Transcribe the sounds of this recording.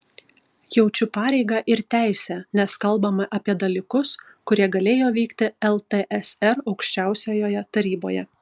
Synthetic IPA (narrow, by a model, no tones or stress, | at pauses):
jɛʊt͡ʃʲʊpɑːɾʲɛɪɡɑʔɪɾt̪ʲæˑɪsʲæːnʲɛskɐlˠˑbɐmɐʔɐpʲiɛd̪ɐlʲɪkʊs | kʊɾʲiɛɡɐlʲeːjoːʋʲiːkt̪ʲɪɛlˠt̪eʔɛsɛɾɒʊkʃʲt͡ʃʲæˑʊsʲoːjoːjɛt̪ɐɾʲiːbo̰ːjɛ̰